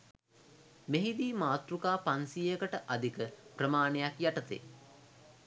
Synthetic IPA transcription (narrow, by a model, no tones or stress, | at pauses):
meɦid̪iːmaːt̪ɾukaːpansijəkəʈəʔad̪ikəprəmaːnejakjaʈət̪ḛː